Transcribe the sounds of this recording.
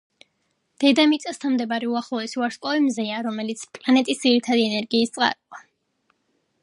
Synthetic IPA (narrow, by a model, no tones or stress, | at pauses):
d̪̥ɛd̪amit̪sʼast̪ʰanmd̪ɛbaɾɛuaχlˠɔɛsiaɾskʼɔimzɛaɾɔmɛlit̪sʰpʼlanɛt̪ʼisd̪ziɾit̪ʰad̪iɛnɛɾɡiːst̪sʼqʼa̰ɾqʼa